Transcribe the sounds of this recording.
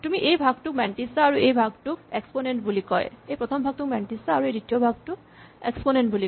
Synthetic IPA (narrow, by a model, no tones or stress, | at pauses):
tumiʔejbʱaɡ̚tʊk̚mɛnʈisaːɹuʔejbʱaɡ̚tʊk̚eksponenʈbulikɔ̰jejpɹɔt̪ʰɔmbʱaɡ̚tʊk̚mɛnʈisaːɹuejditijɔbʱaɡ̚tʊk | eksponenʈbuli